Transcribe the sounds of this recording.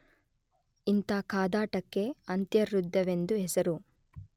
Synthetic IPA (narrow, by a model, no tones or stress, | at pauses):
int̪akaːd̪aːʈɐkːe̞ɐnt̪jɐɾːud̪jɐʋe̞nd̪uɦɛsɐɾu